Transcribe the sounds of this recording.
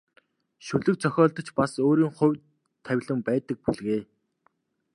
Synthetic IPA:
ʃɵɮɵ̆kt͡sʰœxʲɔːɮt̪ɞ̆t͡ɕpasoːɾiːŋχʊ̟wʲ | t̪ʰːæwʲɮə̆mpæːt̪ə̆k̚puɮɣeː

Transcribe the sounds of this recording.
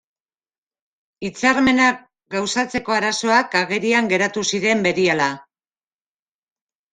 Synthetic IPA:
it͡saɾme̞nak | ɡawsat͡se̞ko̞aɾaso̞akaɣe̞ɾiaŋɡe̞ɾat̪usiɾe̞mbe̞ɾiala

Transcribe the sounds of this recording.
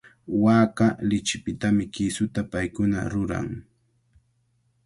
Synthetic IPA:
waːkalɪt͡ʃɪpɪt̪amɪkɪsʊt̪apajkʊna̰ɾʊɾa̰ŋ

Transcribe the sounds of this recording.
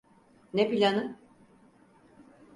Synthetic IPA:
nepilʲanɯ

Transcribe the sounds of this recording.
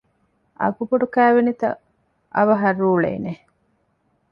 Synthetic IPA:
ʔɐ̰ɡubuɖukæːʋenit̪ɐ̰ | ʔɐʋɐɦɐruːɭḛːne

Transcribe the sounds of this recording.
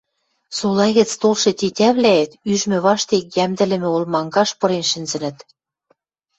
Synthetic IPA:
solɑjɣɘ̆t͡st̪olʃɤ̆t̪ʲitʲæβlæet̪yʒmɘ̆βɑʃt̪ek̚jæmd̪ɘ̆lɘ̆mɘ̆olmɑŋɡɑʃpɤ̆ɾenʃɘ̆nzɘ̆nɘ̆t̪

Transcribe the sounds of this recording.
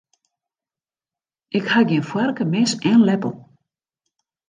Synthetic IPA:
ʔɪkhaɡiənfwɛrkəmɛsɛnlɛpə̰l̩ˠ

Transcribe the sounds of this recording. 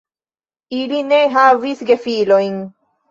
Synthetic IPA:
iline̞ɦavisɡe̞filo̞jn

